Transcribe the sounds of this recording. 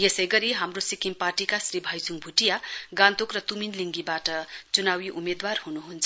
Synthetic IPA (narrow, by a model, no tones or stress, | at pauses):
jesʌjɡʌɾiɦamrosikimparʈikasribʱʌjsuŋbʱuʈijaɡãnt̪okrʌt̪uminliŋɡibaʈʌt͡sunawiʔumed̪warhunuɦunt͡sʰʌ